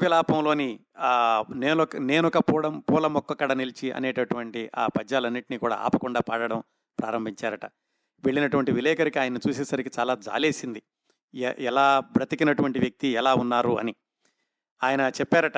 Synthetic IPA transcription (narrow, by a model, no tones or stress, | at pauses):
ʋilaːpɐmlo̞ːni | neːɔkɐne̞ːnɔkɐpːɐmpɔːlɐmɔkːɐkːɐɽɐnilit͡ʃiʔɐ̰nɛːʈɐʈuʋɐɳʈia̰ːpɐd͡ʒːaːlɐnːiʈiniːkuːɽa̰ːa̰ːpɐkuɳɖaːpaːɽɐɽɐm | pɾa̰ːɾɐmbʱiɲt͡ʃaːɾɐʈɐ | ʋeɭːinɐʈuʋɐɳʈiʋilɛːkɐɾikiaːjɐnːɐt͡ʃuːseːsɐɾikit͡ʃaːlaːd͡ʒa̰ːle̞ːsind̪i | ɛlaːbɾɐt̪ikinɐʈuʋɐɳʈiʋjɐk̚t̪iɛlaːunːaːɾuɐ̰ni | aːjɐnɐt͡ʃɛpːaːɾɐʈɐ